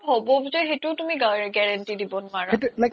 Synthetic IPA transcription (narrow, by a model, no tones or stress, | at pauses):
ɦobɔbzɔxetutumiɡɡɛɹantidibɔnaɹaetulak